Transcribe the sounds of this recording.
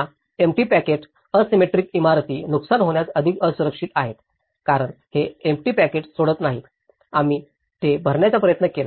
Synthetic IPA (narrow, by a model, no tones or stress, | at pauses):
emʈiːpækeʈ | əsimeʈɾiːkimaɾt̪iːnuksanɦoɳjat͡səd̪ʱikəsuɾəkʂit̪aɦet̪ | kaɾəɳheemʈiːpækeʈsoɽət̪naɦiːt̪ | amiː | t̪ebʱəɾɳjat͡sapɾəjət̪nəkela